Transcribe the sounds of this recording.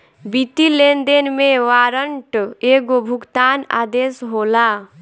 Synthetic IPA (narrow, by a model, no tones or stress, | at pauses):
bit̪ilend̪enmeʋaɾəɳʈeɡobʱukt̪ana̰d̪esɦola